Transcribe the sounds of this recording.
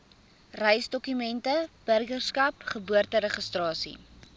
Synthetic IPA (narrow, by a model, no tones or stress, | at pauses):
rəjsdɔkymɛntəb̥ərɡərskɐpχəbuərtəɾəχəstrɑːsḭ